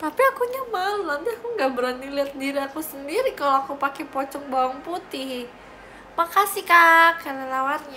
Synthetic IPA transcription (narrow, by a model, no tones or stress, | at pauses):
t̪apiakuɲəmalnant̪iakuŋɡabəɾaniliat̪̚diɾiakusəndiɾikaloakupakɛpɔt͡ʃɔŋbawaŋput̪ɪh | makasikakanalawarɲa